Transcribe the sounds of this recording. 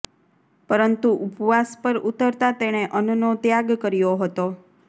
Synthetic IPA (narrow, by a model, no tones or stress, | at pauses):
pəɾənt̪uʔupʋaspəɾut̪əɾt̪at̪eɽ̃eʔənunot̪jaɡkəɾijoɦət̪o